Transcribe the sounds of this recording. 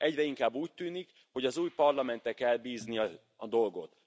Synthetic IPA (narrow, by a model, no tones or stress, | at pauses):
ʔɛɟrɛiŋkaːbːuːc̚t̪yːnik | ho̞ɟɒzuːjpɒrlɒmɛnt̪ɛkɛlbiːzniɒ | ɒd̪o̞lɡo̞t̪